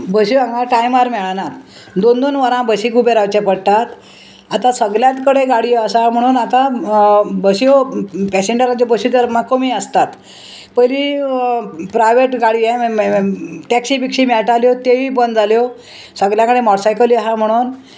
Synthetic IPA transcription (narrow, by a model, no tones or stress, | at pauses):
bəɕiãŋɡaʈajmaɾmɛɭanat̪ | d̪ond̪onʋəɾãbəsiːkubeɾawt͡ɕepəɽt̪at̪ | at̪ãsəɡljãt̪kəɽeɡaɽiasam̤əɽ̃uːnat̪a | bəsiopɛseɳɖəɾãt͡ɕebəɕit̪əɾmakomiəst̪at̪ | pəɾi | pɾajʋeʈɡaɽie | ʈɛksibikʂimɛɭʈaljot̪eibənd̪d͡zaljo | səɡljãkəɽemɔʈsajkəliasãm̤əɽ̃uːn